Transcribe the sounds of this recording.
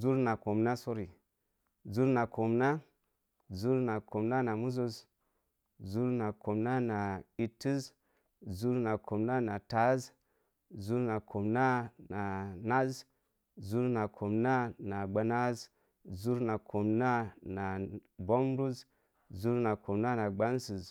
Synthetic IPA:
zu˦ɾna˨ko˨mna˦so˦ɾi˨ | zu˦ɾna˨ko˨mna˦ | zu˦ɾna˨kʰo˨mna˦na˨mu˦zo˦z | zu˦ɾna˨kʰo˨mna˦na˨i˨ti˦z | zu˦ɾna˨kʰo˨mna˦na˨ta˨˦z | zu˦ɾna˨kʰo˨mna˦na˨na˦z | zu˦ɾna˨kʰo˨mna˦na˨ɡ͡ba˨na˦z | zu˦ɾna˨kʰo˨mna˦na˨bo˦m˦ɾu˦z | zu˦ɾna˨kʰo˨mna˦na˨ɡ͡ba˦nsi˨z

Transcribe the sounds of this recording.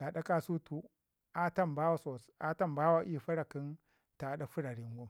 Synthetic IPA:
ɗa˨ɗa˦ka˦su˦tu˦ | a˦ta˦mba˦wa˦so˨sa˦ta˦˨mba˦wa˦ʔi˦˨ɸa˦ɾa˨ki˦n | ta˨ɗa˦fu˦ɾa˨ɾi˨ŋɡu˦

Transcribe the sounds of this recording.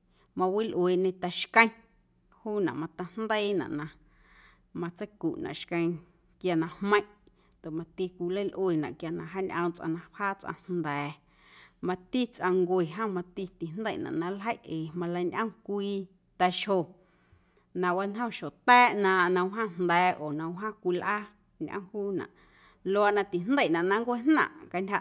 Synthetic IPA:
mã˧wi˦lʔweː˨ʔɲẽ˧t̪a˧ʃkə̃˦j̃ | huː˦nã̰˨ʔmã˧t̪a˧nd̪ə˦nã̰˨ʔnã˧ | mã˧t͡sə˦jku˨ʔnã̰˨ʔʃkə̃˧j̃ | kja˧nã˧hmə̃˦ʔ | nd̪o˨mã˧t̪i˧kʷi˧lə˦lʔweː˨nã˨ʔkja˧nã˧ɦa˦ɲʔə̃˧mt͡sʔã̰˧nã˧phaː˦t͡sʔã̰˧nnd̪ɛː˨ | mã˧t̪i˦t͡sʔã˧ŋɡʷe˨ɦã˦mã˧t̪i˧t̪i˨nd̪ə̰˦˨nã̰˨ʔnã˦lɦə˦jʔeː˨mã˧la˧˦nʔə̃˦ŋkʷiː˧ | t̪ɛ˧ʃho˨ | nã˧wa˦nɦə̃˦˨ʃo˨t̪ɛː˦ʔnã˧nə̃˧wɦã˦˨n̥nd̪ɛː˨oː˨nə̃˧wɦã˦kʷi˧lʔa˦ | ɲʔə̰̃˦˧huː˦nã̰˨ʔ | lo˧a˧˨ʔnã˧t̪i˨nd̪ə˦˨nã˨ʔnã˦ŋɡʷe˦nnã̰˧˨ʔka˧nʲha˧

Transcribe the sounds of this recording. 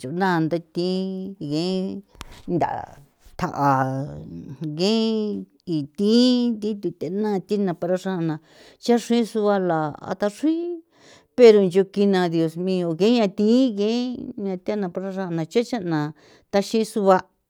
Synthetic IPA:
t͡ʃo˨˦nã˦˨˧nd̪a˧t̪ĩ˧˦ɡẽ˦nd̪a̰˨ | t̪ʰa̰˨ʔa˨ | ɡẽ˦ | i˨t̪ĩ˦nt̪ĩ˦t̪u˧t̪e˧˦nã˦˧t̪i˦nã˧pa˧ɾa˧ʂã˦˧nã˨ | t͡ʃa˦ʂĩ˦su˧βa˧la˨a̰˧t̪a˧ʂi˦ | pe˧ɾo˧nd͡ʒo˧ki˧nã˧ðjo˧smĩ˧o˧ɣẽ˦ɲã˧t̪ĩ˦ɣẽ˦ɲã˧t̪nã˧˨pa˧ɾa˦ʂã˦a˧nã˧t͡ʃa˦t͡ʃa˦nã˨ | t̪a˦ʃĩ˦su˧βa˧

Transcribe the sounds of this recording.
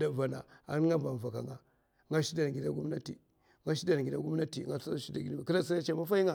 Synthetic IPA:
da˨va˨na̰˨a̰˨n˦ŋa˦ba˨m˨va˨ka˨ŋa˨ | ŋɡa˦ʃi˦da˨n˨ɡi˨da˦ɡu˦m˦na˦tḭ˨ | ŋa˦ʃi˦da˨n˨ɡi˨da˦ɡu˦m˦a˦tḭ˨ŋa˦ʃi˦da˨ɡi˨˦˨ki˦ɾa˦si˦a˦t͡ʃe˦ma˦fa˦i˦ŋa˦˨

